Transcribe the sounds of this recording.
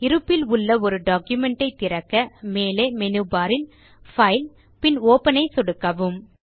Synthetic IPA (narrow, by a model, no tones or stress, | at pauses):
ɪɾɯpːɪlʊɭːɐɔɾɯɖaːkjʊmɛɳʈɐɪt̪ːɪɾɐkːɐmeːleːmɛnɯbaːɾɪn | fɐɪl | pɪnoːpɐnɐɪsɔɽɯkːɐʋɯm